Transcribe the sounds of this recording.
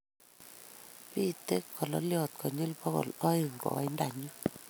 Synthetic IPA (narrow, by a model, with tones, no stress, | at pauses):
pi˦t̪e˦kʰːɔ˨lɔ̰˦ljɔ˨t̪̚kʰɔ˨ɲi˦lpɔ˦ɣɔ̰˨lɔ˦i˨ŋɡɔ̰˨˦i˦nda˨ɲu˦